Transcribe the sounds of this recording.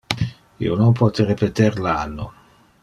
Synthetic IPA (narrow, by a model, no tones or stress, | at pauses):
ḭːonompɔt̪eɾepet̪eɾlanːo